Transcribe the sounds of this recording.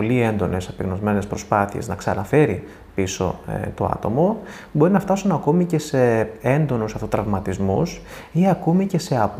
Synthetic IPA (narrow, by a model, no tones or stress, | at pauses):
olie̞nd̪o̞ne̞sɐpeɣno̞zme̞ne̞spɾo̞spɐθie̞̰znɐksɐnɐfe̞ɾi | piso̞̰t̪o̞ɐ̰t̪o̞̰mo | bo̞ɾinɐft̪ɐsunɐko̞mice̞se̞end̪o̞nusɐft̪ot̪ɾɐvmɐt̪izmus | iɐkomice̞se̞ɐ